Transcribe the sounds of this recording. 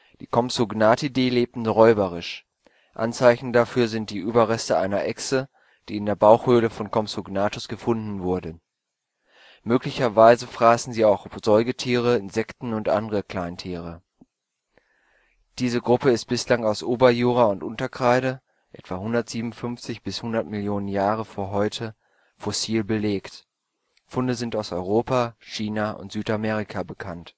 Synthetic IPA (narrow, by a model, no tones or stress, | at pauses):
d̥iːkʰɔmsʊɡnaːtideːleːp̚tn̩ʁɔʏbəʁɪʃ | ʔa̰nt͡saɪçn̩dafyːɐzɪnt̚d̥iːʔyːbɐʁɛstəʔaɪnɐʔɛksə | d̥iːɪndeːɐbaʊxhøːləfɔnkʰɔmsuɡnaːtʊsɡ̥əfʊndn̩vʊɐdə | møːklɪçɐvaɪzəfʁ̥aːsn̩ziːaʊxz̥ɔʏɡətʰiːʁəɪnzɛktn̩ʊntʔa̰ndəʁəkl̥aɪntʰiːʁə | d̥iːzəɡʁʊpəɪst̚b̥ɪslaŋaʊsʔoːbɐjuːʁ̞aʊntʔʊntɐkʁ̥aɪɾə | ʔɛ̰tv̥ahʊndɐtz̥iːbm̩fʏnft͡sɪçb̥ɪshʊndɐtmɪljoːnənjaːʁəfoːɐɦɔʏtʰə | fɔsiːlbəleːkt | fʊndəzɪntaʊsɔʏʁoːpaʃiːnaʔʊ̰ntz̥yːtamɛːʁ̞ikʰabəkʰant